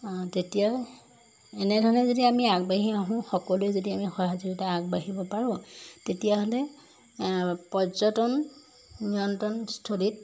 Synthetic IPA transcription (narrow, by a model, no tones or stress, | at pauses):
tetija | ɛnɛdʱɔɹnɛzodiamiaɡbaɦiaɦʊ̃xɔkɔloezodiamixɔɦazɔɡitaːɡbaɦibɔpaɹɔ̃tetijaɦolɛ | pɔzɔtɔn | nːiɔntɔnstʰolit̚